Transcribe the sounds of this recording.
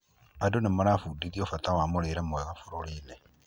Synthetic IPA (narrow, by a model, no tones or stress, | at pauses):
adonemaɾafudiðiofatawamoɾeɾemoweɣafuɾoliːne